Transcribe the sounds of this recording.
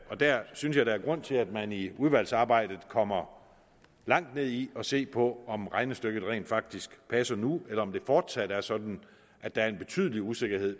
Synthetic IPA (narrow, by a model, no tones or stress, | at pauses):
ɒ̽d̥æɐ̰synsjɑ̈ɪd̥ɑ̈æɐɡ̥ʁɔ̽n̰t͡sʰe̝læd̥mæniuð̞ˠʋæl̰sɑ̈ːb̥ɑ̈ɪ̰d̥ð̩ˠkʰɒ̽m̰ɐ | lɑ̈ŋ̰d̥ne̝ð̰ˠiɒ̽se̝̰ːpʰɒ̽ɒ̽mʁɑ̈ɪnəsd̥øɡ̥ð̞̩ˠʁɛ̰ːnd̥fɑ̈ɡ̥̚d̥isɡ̥pʰæsɐnuelɐɒ̽md̥e̝fɒːd̥sæd̥əæɐsɒ̽d̥n̩ | ʔæd̥æ̈æɐe̝nb̥e̝t͡sʰy̰ð̞ˠəliuse̝ɡ̥ɐɦe̝ð̰ˠ